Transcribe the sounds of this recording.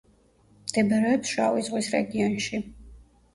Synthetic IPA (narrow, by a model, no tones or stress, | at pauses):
md̪̥ɛbɛɾɛɔpsʃa̰vizʁwisɾɛ̰ɡiɔnʃi